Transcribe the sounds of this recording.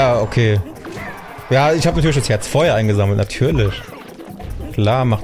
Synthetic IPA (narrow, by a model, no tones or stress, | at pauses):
jaːokʰeː | jaːɪçhaːbənatʰyɐlɪçdashɛɐt͡sfoɐheːɐʔaɪnɡəzaml̩tnatʰyːɐlɪç | kl̥aːɐmaχ